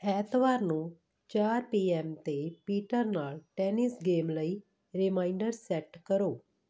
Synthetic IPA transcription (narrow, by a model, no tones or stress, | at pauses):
ɛːt̪ʋaːɾnũː | t͡ʃaːɾpiːɛːmt̪eːpiːʈəɾnaːlʈɛːnɪsɡeːmləiː | ɾɪmaːɪɳɖəɾsɛːʈkəɾoː